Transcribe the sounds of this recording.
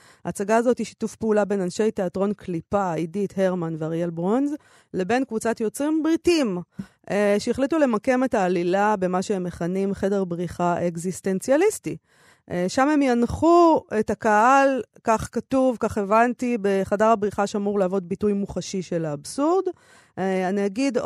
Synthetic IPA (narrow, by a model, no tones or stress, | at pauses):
aːt͡saɡaːzo̞tiʃi̥tufpeulabe̞nanʃe̞jteatʁo̞nkʰlipaidithe̞ʁmanveaʁjelbʁo̞nz | le̞be̞nkvut͡satjot͡sʁimbʁitim | eʃeeχlitule̞make̞me̞taːlilabe̞maʃeemːeχanimχe̞de̞ʁbʁiχaʔeɡziste̞nt͡sjalisti | ʃame̞mjanχue̞takaʔalkaχkatuvkaχe̞vantibeχadaʁabʁiχaʃeamuʁlaːvo̞d̚bitujmuχaʃiʃe̞laːbsuʁd | aniaɡid